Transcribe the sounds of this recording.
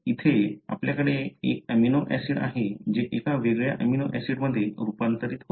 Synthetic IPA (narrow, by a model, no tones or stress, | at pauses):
it̪ʰea̰pljakəɽeḛkɛminoʔɛsiɽa̰ɦed͡ʑeʔekaʋeɡɭja̰ʔɛminoʔɛsiɽməd̪ʱːjeɾupant̪əɾiːt̪ɦo